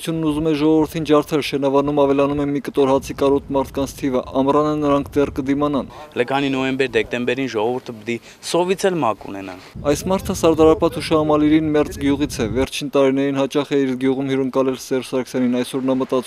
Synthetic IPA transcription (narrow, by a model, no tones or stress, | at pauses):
t͡sʰjunːuzumɛʒɔʁɔvəɾt̪ʰind͡ʒɑɾt̪ʰɛlʃɛnɑvɑnumɑvɛlɑnumɛmikət̪ɔɾhɑt͡sʰikɑɾɔt̪mɑɾt̪ʰkɑnt͡sʰt̪ʰivəʔɑmɾɑnənəɾɑŋkʰd̪ɛrkəd̪imɑnɑnləkʰɑninɔɛmbɛɾd̪ɛk̚t̪ɛmbɛɾinʒɔʁɔvuɾt̪ʰəpət̪i | sɔvit͡sʰɛlmɑkṵnɛnɑ̰nɑjsmɑɾt̪ʰəsɑɾd̪ɑɾɑpɑt̪ʰuʃɑɑmɑliɾinmɛɾt͡sɡjuʁit͡sʰɛvɛɾt͡ʃʰint̪ɑɾinɛɾinhɑt͡ʃɑχɛiɾɡjuʁumhiɾəŋkɑlɛlsɛrsɑɾkʰə̥sjɑninɑjsɔɾnɑmət̪ɑt͡s